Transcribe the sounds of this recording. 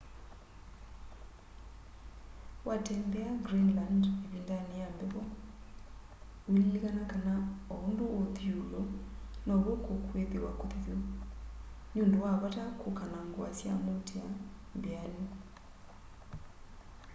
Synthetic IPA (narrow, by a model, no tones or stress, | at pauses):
watɛːmbɛaɡɾinlandeβiːndanejambɛβɔ | wililiɣanakanaɔondooðjulɔnɔɾwokokweðewakoðiðo | noːndowaβatakokanaŋɡwa̰sja̰motʰeambeani